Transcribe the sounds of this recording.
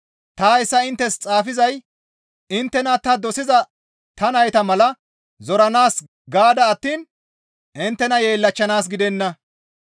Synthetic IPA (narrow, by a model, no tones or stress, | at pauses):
t̪aːɪsːɐɪnt̪ːɛst͡sʼaːfɪzɐj | ɪnt̪ːɛnɐt̪ɐd̪ɔsɪzɐ | t̪ɐnɐjt̪ɐmɐlɐ | zɔɾɐnaːs | ɡaːd̪ɐːt̪ːiːn | ʔɪnt̪ːɛnɐje̞ːlːɐt͡ʃːɐnaːs̬ɡɪd̪ɛnːɐ